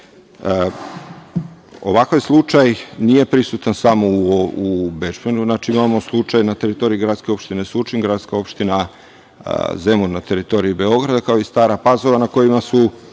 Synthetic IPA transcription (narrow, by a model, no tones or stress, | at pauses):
o̞̰ʋakajslˠut͡ʃajnije̞pɾisut̪ansamouubeʃbenuznat͡ʃiimamoslˠut͡ʃajnat̪e̞ɾit̪o̞ɾiiɡɾad̪ske̞o̞pʃt̪ine̞sut͡ʃiŋɡɾat̪skao̞pʃt̪ina̰ | zemunnat̪e̞ɾit̪o̞ɾiibe̞o̞ɡɾad̪akaoist̪aːɾapazoʋanako̞jimasu